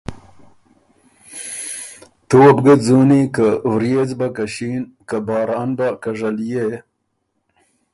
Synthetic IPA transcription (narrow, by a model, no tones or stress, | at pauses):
t̪uwɐbɡəzunikawɾjet͡sbakaɕiːnkabɑːɾɑːnbakaʐalje